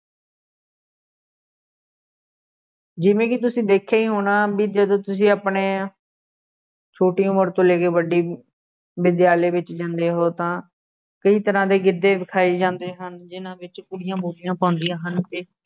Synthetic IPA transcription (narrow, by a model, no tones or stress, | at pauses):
d͡ʒɪʋẽːkɪt̪ʊsĩːd̪eːkʰːeːiːɦoːnaːbiːd͡ʒəd̪õːt̪ʊsĩːaːpɳeː | t͡ʃʰoːʈiːʊməɾt̪õːleːkeːʋəɖiː | bɪd̪jaːleːbɪt͡ʃd͡ʒãːnd̪eːɦoːt̪ãː | kəiːt̪əɾãːd̪eːɡɪd̪ːeːbɪkʰaːiːd͡ʒãːnd̪eːɦənd͡ʒɪnãːbɪt͡ʃkʊɽɪjãːboːlɪjãːpãːʊnd̪ɪjãːɦənt̪eː